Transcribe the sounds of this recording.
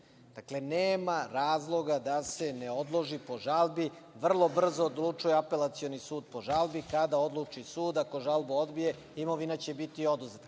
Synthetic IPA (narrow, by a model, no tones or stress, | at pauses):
d̪̥akle̞neːmaɾaːzlˠo̞ɡad̪ase̞neod̪lˠo̞ʒipo̞ʒalˠbiʋr̩lˠo̞br̩zoːd̪lˠut͡ʂujeape̞lat̪sionisuːd̪̚po̞ʒalˠbikad̪ao̞d̪lˠut͡ʂisuːd̪ako̞ʒalˠbood̪bije̞ | imo̞ʋinat͡ɕe̞bit̪io̞d̪uze̞t̪